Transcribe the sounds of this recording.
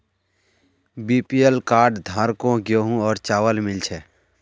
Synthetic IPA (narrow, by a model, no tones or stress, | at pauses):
biːpielkaːɾɖd̪ʱaːɾkõɡjoːɦũɔːɾt͡ʃaːʋəlmɪlt͡ʃʰeː